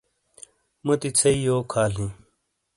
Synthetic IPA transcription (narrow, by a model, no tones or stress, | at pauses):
mut̪it͡sʰɐijoːkʰaːlĩ